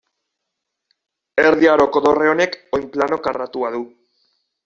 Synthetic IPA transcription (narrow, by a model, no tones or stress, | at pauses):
eɾðiaɾo̞koðo̞re̞o̞ne̞kojmplano̞karat̪uaðu